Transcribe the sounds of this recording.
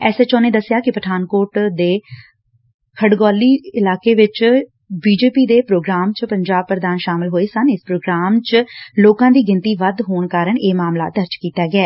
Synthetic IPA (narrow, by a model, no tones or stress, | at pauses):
ɛːseːt͡ʃɔ̃ːneːd̪əsːɪjaːkɪpəʈʰaːnkoːʈd̪eː | kʰəɖɡɔːliːɪlaːkeːʋɪt͡ʃ | biːd͡ʒeːpiːd̪eːpɾoːɡɾaːmt͡ʃpəɲd͡ʒaːb̚pɾəd̪aːnʃaːmɪlɦoːeːsənɪspɾoːɡɾaːmt͡ʃloːkãːd̪iːɡɪnt̪iːʋəd̪ɦoːɳkaːɾəɳeːmaːmla̰ːd̪əɾt͡ʃkiːt̪aːɡɪɛː